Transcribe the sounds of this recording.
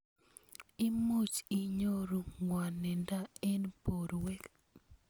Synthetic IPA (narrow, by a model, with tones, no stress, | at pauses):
i˦mo˦t͡ʃi˨ɲo˦ɾu˨ŋwa˨nːɛ˨nda˦ɛ˦npo˨ɾwɛ˦k